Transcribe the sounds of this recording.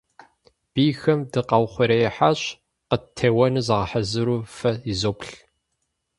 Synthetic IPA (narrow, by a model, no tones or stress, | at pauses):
b̥iːjxɐmdɨqɑwχʷʊɾɐjɛħaɕ | qətʰɐwɐnɨzɐʁɐħazɨɾuːfɐizoːpɬ